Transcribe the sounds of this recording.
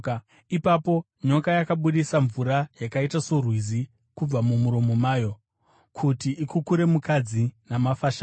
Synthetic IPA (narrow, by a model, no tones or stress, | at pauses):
ipapo̞ | ɲo̞kajakaɓuɗisaɱvuɾajakaitasorwizi | kub͡vamumuɾo̞momaːjo̞ | kʰutiʔikukuɾe̞mukad͡zinamafaːʃa